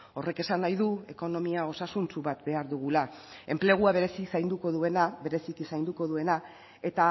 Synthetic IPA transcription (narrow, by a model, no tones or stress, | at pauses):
o̞re̞ke̞sanːajðue̞ko̞no̞miao̞sasunt͡suβat̪be̞aɾðuɣulae̞mple̞ɣ̞uaβe̞ɾe̞sisajnd̪uko̞ðue̞nabe̞ɾe̞sikisajnd̪uko̞ðue̞na | et̪a